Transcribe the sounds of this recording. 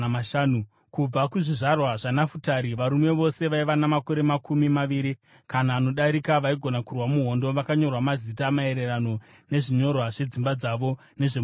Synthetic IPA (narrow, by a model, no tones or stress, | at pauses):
aʃaːnu | kub͡vakuʐiʐarwaʐanafutaɾiʋaɾume̞ʋo̞se̞ʋaiʋanamako̞ɾe̞makumimaʋiːɾi | kanaːno̞ɗaɾikaʋaiɡʱo̞nakurwamuɦo̞ndo̞ʋakaɲo̞rwamazitamae̞ɾe̞rano̞ | ne̞ʐiɲo̞rwaʐe̞d͡zimbad͡zaʋo̞ | ne̞ʐe